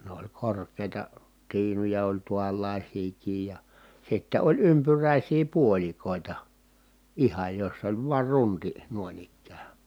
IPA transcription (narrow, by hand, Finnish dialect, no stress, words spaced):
ne olʲ korkˑeˑi̯tɑ tiːnujɑ olʲ tuɑlːɑˑisiːkiːj jɑ jɑ sitːe olʲ ympyræˑisiː puolʲikoˑitɑ ihɑj josː olʲ ʋuɑr runti nuoĭn ikːæː